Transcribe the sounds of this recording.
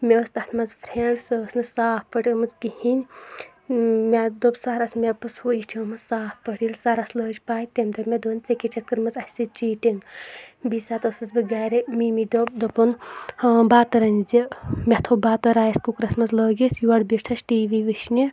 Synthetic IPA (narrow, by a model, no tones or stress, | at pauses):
mʲest̪ɐt̪ʰmɐzpʰɾeɳɖsəːsnɨsaːppɐʈʲəmɐzkihinʲ | mʲad̪obsaɾasmʲepɨshoiʈʰimɐzsaːppɐʈilsaɾasləːd͡ʒpaːjt̪emd̪ɐmʲed̪oːnʲt͡sekʲet͡ʃʰɐt̪̚kɨɾmɐzɐsit͡ʃiːʈiŋɡbisat̪ɐsɐzbɨɡaːɾemimid̪op̚d̪ɐpunhɐbaːt̪ɐɾɐnʲzimʲɛt̪ʰobaːt̪ɐɾaːjɐskukɾɐsmɐzləːɡisjuɐɽbiʈʰɐsʈiːʋiʋɨʃnʲi